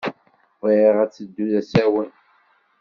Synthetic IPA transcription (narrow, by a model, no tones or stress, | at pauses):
vəʁæt͡sːəd̪ːuðæsæwən